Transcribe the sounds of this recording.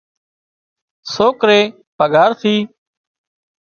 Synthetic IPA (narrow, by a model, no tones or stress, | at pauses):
soːkɾeː | pəɡaːɾt̪ʰiː